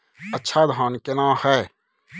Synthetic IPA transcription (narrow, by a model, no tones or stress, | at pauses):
ətːʃʰaːd̪ɦãːnkenãːhɛː